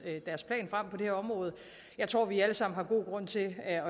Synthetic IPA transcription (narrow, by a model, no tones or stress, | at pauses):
ød̥æɐspʰlɛ̰ːnfʁam̰pʰɒ̽d̥ehɛɐɒ̽mʁɔ̽ːð̞̩ˠə | jɑ̈ɪt͡sʰʁo̝̰ʋiæləsɑ̈m̰n̩ɦɑ̈ɡ̥o̝ːɡ̥ʁɔ̽n̰t͡sʰe̝ɒ̽